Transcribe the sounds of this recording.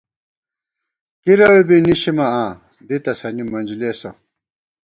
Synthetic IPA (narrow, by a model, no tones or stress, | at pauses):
kiɾɐwebiniɕimɐãː | d̪it̪ɐsɐnimɐnd͡ʑileːsɐ̰